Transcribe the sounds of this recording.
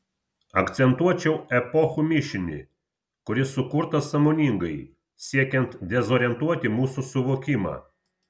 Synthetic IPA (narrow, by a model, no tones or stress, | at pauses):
ɐkt̪sʲɛnt̪uɔt͡ʃʲɛʊɛpɔxumʲɪʃʲɪnʲɪ̰ | kʊɾʲɪsʊkʊɾt̪ɐsɐmoːnʲɪŋɡɐɪ | sʲiɛkʲɛnt̪d̪ʲɛzoːɾʲɛnt̪uɔt̪ʲɪmuːsusʊʋoːkʲɪmɑ̰ː